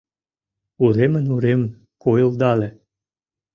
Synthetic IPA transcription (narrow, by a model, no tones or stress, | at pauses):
uɾemə̆nuɾemn | kojə̆ld̪ɑlĕ